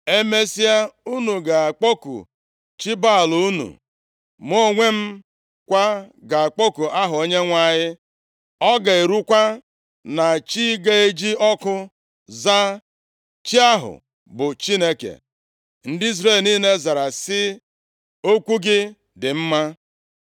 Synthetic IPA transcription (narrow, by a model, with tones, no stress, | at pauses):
e˦me˦si˦a˦u˦nu˨ɡa˨a˨k͡po˦kṵ˨ | t͡ʃi˦ba˦˨lu˨u˦nṵ˨ | m˦o˦˨ŋʷe˦m̩˦ | kʷa˦ɡa˨a˨k͡po˦ku˨ʔa˦ɦʊ˨o˦ɲe˦ŋʷa˦˨ɲɪ˦ | ɔ˦ɡa˨e˨ɾu˦kʷa˦ | na˨t͡ʃi˦ɡe˦e˦d͡ʒi˦ɔ˦kʊ˦ | za˦ | t͡ʃi˦a˦ɦʊ̰˨ | bʊ˨t͡ʃi˦ne˦kḛ˨ | n̩˦dɪ˦i˦z̬ɾe˦˨lniː˦ne˦za˨ɾa˨sɪ˦ | o˦kʷu˦ɡɪ˦ | dɪ˨m̩˦ma˦